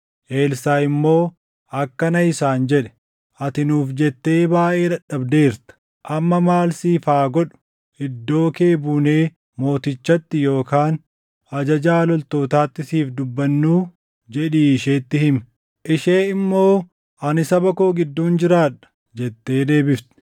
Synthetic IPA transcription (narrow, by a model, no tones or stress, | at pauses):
ʔe̞ːlsaːɪmːo̞ː | ʔɐkːɐnɐɪsaːnd͡ʒɛᶑɛ̥ | ʔɐt̪ɪnuːfd͡ʒɛt̪ːe̞ːbaːʔe̞ːᶑ̪ɐɗɐbd̪e̞ːɾt̪ɐ̥ | ʔɐmːɐmaːlsiːfaːɡɔᶑʊ̥ | ʔɪd̪ːo̞ːke̞ːbuːneː | mo̞ːt̪ɪt͡ʃːɐt̪ːɪjo̞ːkaːn | ɐd͡ʒɐd͡ʒaːlɔlt̪o̞ːt̪aːt̪ːɪsiːfd̪ʊbːɐnːuː | d͡ʒɛᶑiːɪʃe̞ːt̪ːɪhɪm | ʔɪʃe̞ːɪmːo̞ː | ʔɐnɪsɐbɐkoːɡɪd̪ːuːnd͡ʒɪɾaːᶑɐ̥ | d͡ʒɛt̪ːe̞ːd̪e̞ːbɪft̪ɪ̥